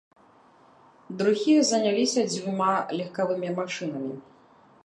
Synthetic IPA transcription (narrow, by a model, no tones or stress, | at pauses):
d̪ɾuɣʲijɐzɐnʲalʲisʲɐd͡zʲvʲumalʲixkavɨmʲimaʂɨnɐmʲi